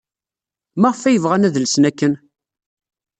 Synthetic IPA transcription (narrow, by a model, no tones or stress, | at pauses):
mæʁfæjəvʁænæðəlsnækːən